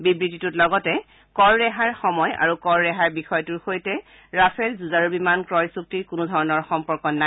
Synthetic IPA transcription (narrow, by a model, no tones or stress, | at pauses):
bibɹititutlɔɡɔtɛ | kɔɹɹɛɦaɹxɔmɔja̰ɹukɔɹːɛɦaɹbixɔjtuɹxojtɛ | ɹapʰɛlzuzaɹubimankɹɔjsuk̚tiɹkʊnudʱɔɹɔnɔɹxɔmpɔɹkɔnːa